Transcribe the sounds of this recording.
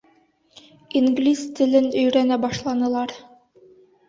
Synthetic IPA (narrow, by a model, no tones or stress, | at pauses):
iŋɡlʲist̪ʰɘ̆lɘnɵ̆jɾænæbɑʃlˠɑnɤ̆lˠɑɾ